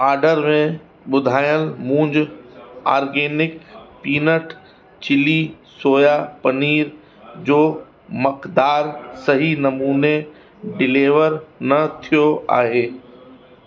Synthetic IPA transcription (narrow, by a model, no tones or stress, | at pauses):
aːɾɖəɾmẽ | ɓʊd̪ʱaːjəlmũːɲd͡ʑ | a̰ːɾɡeːnɪkpiːnəʈ | t͡ɕɪli | soːjapɐniːɾ | d͡ʑoː | mɐkd̪aːɾsɐɦinɐmuːne | ɖɪleːʋəɾnɐt̪ʰijoʔa̰ːɦeː